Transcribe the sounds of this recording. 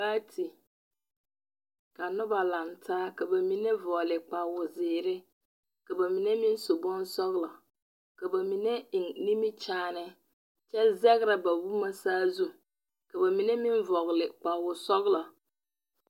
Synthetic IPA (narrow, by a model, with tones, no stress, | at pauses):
aː˦tʰi˨ | ka˨nʊ˦ba˨la˨ntʰaː˦ka˨ba˨mi˨nɛ˦vɔ˨lɪ˨k͡pa˨wʊ˨zɪː˨ɾɪ˦ | ka˨ba˨mi˨ne˦mɪ˦nsʊ˨bɔ˦nsɔ˦ɣlɔ˨ | ka˨ba˨mi˨nɛ˦ɪ˨ŋni˦mi˦t͡ʃaː˦nɪ˦ | t͡ʃɛ˦zɛ˦ɣɾa˨ba˨wu˦ma˦saː˦zu˦ | ka˨ba˨mi˨ne˦mɪ˦ɱvɔ˨ɣlɪ˨k͡pa˨wʊ˨sɔ˦ɣlɔ˨